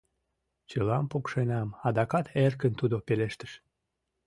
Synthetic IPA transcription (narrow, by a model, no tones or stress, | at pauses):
t͡ɕəlɑmpukʃenɑmɑd̪ɑkɑt̪ʰerkənt̪ud̪opeleʃt̪ə̥ʃ